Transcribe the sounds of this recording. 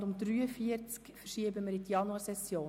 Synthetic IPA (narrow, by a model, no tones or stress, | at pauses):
dʊmd̪ɾyːəfiəɾt͡skfɛʃiəbəməɾit̪jɑnuɑsɛsjoː